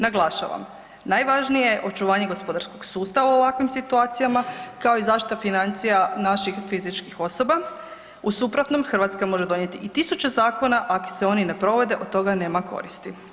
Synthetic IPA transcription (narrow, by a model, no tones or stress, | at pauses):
naɡlˠaʃa̰ʋa̰m | najʋaʒnijejʔo̞t͡ʃuʋaːɲeɡo̞spo̞d̪aɾsko̞ɡsuːst̪aʋauoʋakʋimsit̪uaːt̪sijamakao̞izaːʃt̪i̥t̪afinant̪sijanaʃixfizit͡ʃkixo̞so̞ba | usupɾot̪no̞mxr̩ʋat̪skamo̞ʒe̞d̪o̞ɲe̞t̪iʔit̪isut͡ɕe̞zaːko̞naʔako̥seo̞nine̞pɾo̞ʋe̞d̪e̞ʔod̪̚t̪ːo̞ɡane̞ːmakʰo̞̰ɾist̪i